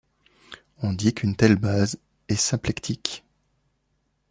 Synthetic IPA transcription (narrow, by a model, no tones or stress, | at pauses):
ɔ̃d̪ikʰynt̪ɛlbaz | ɛsɛ̃plɛkt̪ʰik